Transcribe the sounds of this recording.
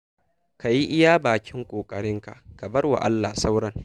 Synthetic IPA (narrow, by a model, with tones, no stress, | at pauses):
ka˨ji˦ʔɪ˦jaː˦baː˨kʲɪ˦ŋkʷʼoː˨kʼɐ˨ɽɪ˦ŋka˨ʔka˨bɐ˦rwa̰˨ʔa˦lːaː˨sa˦wɽɐ˦ŋ